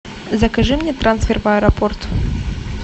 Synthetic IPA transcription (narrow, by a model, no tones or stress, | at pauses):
zɐkɐʐɨmnʲɛt̪ɾansfʲɛrvɐɛɾɐpɔrt̪